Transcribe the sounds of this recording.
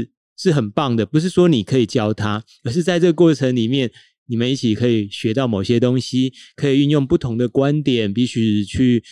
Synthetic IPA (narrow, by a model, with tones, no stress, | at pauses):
ʂɻ̩˥˩xə˨˩npɑ˥˩ŋd̪ə˩pu˧˦ʂ̬ɻ̩˥˩ʂwɔ˥ni˨˩kʰə˧˦i˨˩t͡ɕjɑ˥ʊt̪ʰa˦ | ə˨˧˦ʂ̬ɻ̩˥˧t͡sa˥˧ɪt͡sɤ˥˩ɡə˧kwɔ˥˩ʈ͡ʂʰə˧˦ŋli˨˩mjɛ˥˩n | ni˨˩mə˦ni˥˩t͡ɕʰi˨˩kʰɤ˧˦˥i˨˩ɕɥɛ˧˦t̪ɑ˥˩ʊmo˨˩ʊɕjɛ˦t̪o˦ŋɕi˦kʰə˧˥i˨˩y˥˧njo˥˧ŋpu˥˩t̪ʰo˧˦ŋd̪ə˨kwa˦nt̪jɛ˨˩npi˧˥˩ɕy˧t͡ɕʰy˥˩